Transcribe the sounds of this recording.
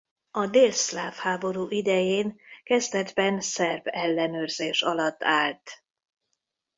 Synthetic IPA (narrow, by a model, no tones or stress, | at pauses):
ɒd̪eːlslaːfhaːbo̞ɾuːʔid̪ɛjeːnkɛzt̪ɛd̪bɛnsɛrbɛlːɛnøːrz̥eːʃɒlɒt̪ːaːlt̪